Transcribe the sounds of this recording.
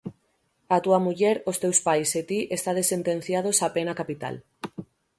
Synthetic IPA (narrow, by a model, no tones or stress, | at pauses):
at̪uamuʎeɾost̪ewspajset̪iʔest̪aðesent̪ẽn̟θjað̞osapenakapit̪a̰l